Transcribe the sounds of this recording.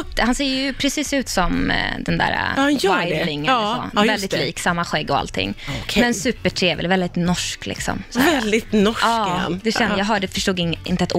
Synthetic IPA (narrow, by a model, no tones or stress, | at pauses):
hanseːjɵpʰɾɛsiːsʉ̟ːt̪sɔmd̪ɛnd̪æ̰ːɾa̰jvːajd̪lɪŋːsɔ̰vɛlɪt̪liːksamːaɧɛɡːɔa̰lt̪ʰɪ̰ŋːkʰmɛnsʉ̟ːpəʈʰɾeːvɪ̰lvɛld̪ɪt̪nɔʂklɪ̰ksɔ̰msvɛld̪ɪt̪nɔɑ̰ːnd̪ɛʃɛnjɑːɡɦœːɖɛfœʂʈuːɡɪŋɪ̰nt̪ət̪ː